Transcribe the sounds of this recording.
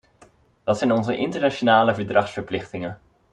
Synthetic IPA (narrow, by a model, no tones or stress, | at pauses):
ʋɑtsɛjnɔnzəʔɪntəɹnat͡ʃonaːləvəɹdrɑχsfəɹplɪχtɪŋən